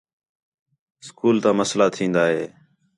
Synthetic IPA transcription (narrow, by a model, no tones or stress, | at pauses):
skuːlt̪ãːməslaːt̪ʰĩːnd̪aːɦḛː